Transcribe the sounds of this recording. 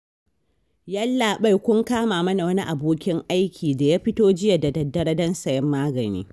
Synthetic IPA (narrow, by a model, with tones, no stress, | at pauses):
ja˦lːaː˨ɓa˦jkʷʊ˦ŋkaː˦maː˨mɐ˦na˨wɐ˦ni˦ʔa˨boː˦kʲɪ˦ŋʔa˦jkʲʰiː˨da˨jaː˦ɸɪ˦toː˦d͡ʒɪ˦ja˨da˨dɐ˨dːɐ˦ɽɐ˦dɐ˦nsɐ˨jɛ˦mːaː˦ɡɐ˨nḭː˦